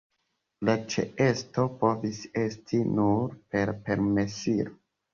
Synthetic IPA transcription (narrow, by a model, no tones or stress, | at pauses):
lat͡ʃḛe̞sto̞po̞vise̞stʰinuɾpe̞ɾpe̞ɾmesiɾo